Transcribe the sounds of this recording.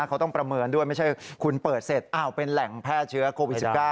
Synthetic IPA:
kʰa˦˥wt̪ɔ˥˩ŋpɾa˧mɤː˧ndu˥˩əjma˥˩jt͡ɕʰa˥˩jkʰu˧npɤː˨˩t̪̚se˨˩t̪̚ʔa˧˩wpe˧nlɛ˩˦ŋpʰɛː˥˩t̪̚t͡ɕʰɯ˦˥ɐkʰoː˧wi˩tskaː˥˩

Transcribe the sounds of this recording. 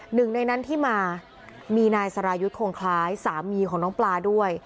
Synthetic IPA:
nɯ˨˩ŋna˧jna˦˥nt̪ʰiː˥˩maː˧ | miː˧naː˧jsa˧ɾaː˧ju˦˥t̪̚kʰoː˧ŋkʰlaː˦˥jsaː˩˦mːiː˧kʰɔː˩˦ŋnɔː˦˥ŋplaː˧du˥˩əj

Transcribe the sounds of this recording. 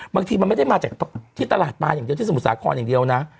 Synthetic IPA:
baː˧ŋt̪ʰiː˧ma˧ma˥˩jda˥˩jmaː˧˩t͡ɕaː˨˩k̚ʰt̪ʰiː˥˩t̪a˧laː˨˩t̪̚maː˧ja˨˩ŋdi˧t̪ʰiː˥˩su˨˩t̪saː˨˦kʰɔ̰ː˧njaː˨˩di˧əwna˦˥ʔ

